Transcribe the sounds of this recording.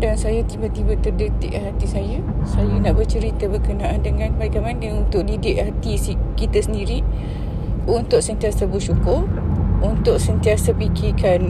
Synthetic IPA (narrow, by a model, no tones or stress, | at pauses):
dansajat̪ibat̪ibat̪ərdət̪ɪ̰ʔɦat̪isajəsajanaʔbərt͡ʃəɾit̪abərkənãʔandəŋãnbaikanmanəunt̪ʊʔdidɪʔhat̪isikit̪əsəndiɾi | unt̪ʊʔsənt̪iasabuʃukʊrunt̪ʊʔsənt̪iasapikikan